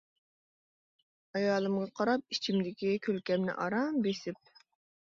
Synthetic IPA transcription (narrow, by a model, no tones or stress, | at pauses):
ɑjɑːlˠɨmʁɑqʰɑɾɑp̚it͡ʃʰimd̪ɪkʲikʲʰølkʲɛmnɪ̰ʔɑɾɑmbesɪp̚